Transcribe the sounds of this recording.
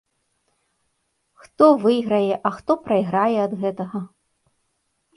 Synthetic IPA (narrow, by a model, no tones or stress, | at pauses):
xt̪ɔvɨjɣɾɐjɛʔɐxt̪ɔpɾɐjɣɾajɛɐd̪ɣɛt̪ɐɣɐ